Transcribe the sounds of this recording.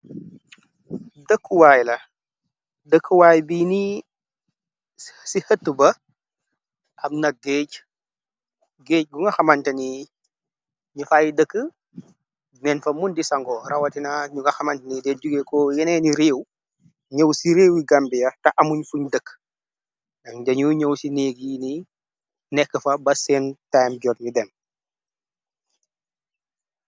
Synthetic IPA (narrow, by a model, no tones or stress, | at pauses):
dəkʰːuwaːjlɐ | dəkːəwaːjbiːni | sihətːubɐ | ʔɐmnɐɡeːc | ɡeːc̚ɡuŋɡɐxɐmɐntɐni | ɲufaːjidəkːə | nɛnfɐmundisɐŋɡɔːɾɐwɐtinaɲuŋɡɐxɐmɐntɐnidɛduɡekɔːjɛnɛniɾeːw | ɲɐwsiɾeːwiɡambijɐtɐʔɐmuɲfuɲdəkː | nɐkdɐɲuɲowsineːɡjini | nɛkːəfɐbɐsɛːntajmɟɔtɲudɛm